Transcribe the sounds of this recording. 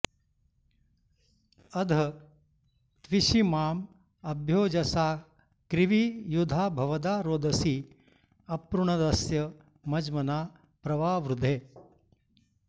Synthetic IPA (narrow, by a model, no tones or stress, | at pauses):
ɐd̪ʱɐ | t̪ʋiʃimaːm | ɐbʱjoːd͡ʒɐsaː | kɾiʋijud̪ʱaːbʱɐʋɐd̪aːɾoːd̪ɐsi | ɐpɾuɳɐd̪ɐsjɐ | mɐd͡ʒmɐnaː | pɾɐʋaːʋɾud̪ʱeː